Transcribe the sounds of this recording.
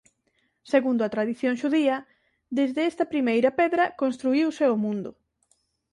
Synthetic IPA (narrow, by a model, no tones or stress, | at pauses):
seɣund̪ʊɐt̪ɾaðiθjoŋʃuðiɐ | d̪ezðeɛst̪ɐpɾimejɾɐpɛðɾɐkonst̪ɾuiwsɪomũnd̪ʊ